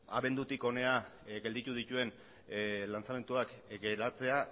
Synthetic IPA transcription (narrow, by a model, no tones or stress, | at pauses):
a̰βe̞nd̪ut̪iko̞ne̞aɡeld̪it̪uð̞it̪ue̞n | lant͡same̞nt̪uakɡe̞ɾat͡se̞a